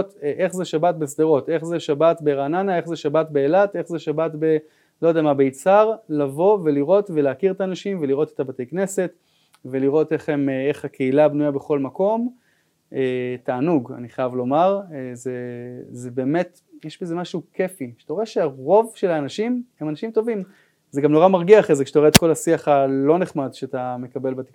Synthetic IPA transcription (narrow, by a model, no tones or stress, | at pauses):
t̪ʔeχzeʃabat̪̚besd̪eʁo̞t̪e̞χzeʃabat̪beʁananae̞χzeʃabat̪beːlat̪e̞χzeʃabatbe | lojd̪eamabeit͡saʁlavo̞ve̞liʁo̞tveleakiʁet̪aːnaʃimveliʁo̞t̪e̥t̪abat̪e̞jkne̞se̞t | ve̞liʁo̞te̞χemeχhakʰe̞ilabnujabe̞χo̞lmako̞m | etaːnuɡa̰niχajavlo̞maʁzezebe̞ːme̞t̪ | jeʃbezemaʃuke̞fiʃe̥taeʃeaʁo̞vʃe̞laːnaʃimhemanaʃimt̪o̞vim | zeɡamno̞ʁamaʁɡiaχezekʃe̥tajet̪ko̞lasiaχalo̞neχmad̪ʃeat̪amekabe̞lbat̪e